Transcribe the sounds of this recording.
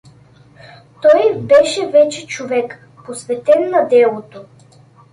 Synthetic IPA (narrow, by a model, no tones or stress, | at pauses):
t̪ɔjbɛʃɛvɛt͡ʃɛt͡ʃovɛk | posvɛt̪ɛnːɐd̪ɛlˠot̪o